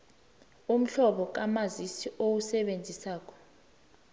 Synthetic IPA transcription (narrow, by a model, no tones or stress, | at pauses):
um̩ɬɔɓɔk̬amazisiʔowusɛɓend͡zʱisaːk̬ʰɔ̥